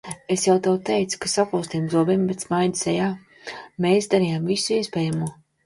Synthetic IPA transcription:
esjawt̪ɛwt̪ɛjt̪su̥kasakɔːst̪iːmzuɔbimbɛt̪smajd̪i̥sɛjaː | meːsd̪aɾijamvisuiɛspɛːjamuɔ

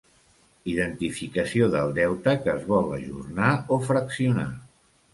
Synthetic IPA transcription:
iðənt̪ifikəsioðəlˠd̪ɛwt̪əkəːzβɔlˠə̰ʒṵrnaofɾəksiuna

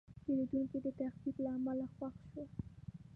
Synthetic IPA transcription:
peɾed̪uŋked̪ət̪ahk̪iblaːmalaxwaxʃo

